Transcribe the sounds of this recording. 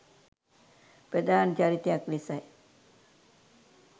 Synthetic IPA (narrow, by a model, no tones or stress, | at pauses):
pɾəd̪aːnt͡ʃaɾit̪ejaklisaj